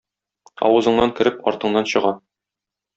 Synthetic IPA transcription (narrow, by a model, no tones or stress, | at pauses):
ɒ̰wɤ̆zɤ̆ɴnɑŋkɘ̆ɾɘpɒ̰ɾt̪ɤ̆ɴnɑnɕɤ̆ʁɑ